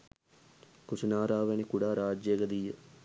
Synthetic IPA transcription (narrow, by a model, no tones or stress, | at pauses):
kusunaːɾaːʋenikuɽaːɾaːd͡ʒjeɡəd̪ijə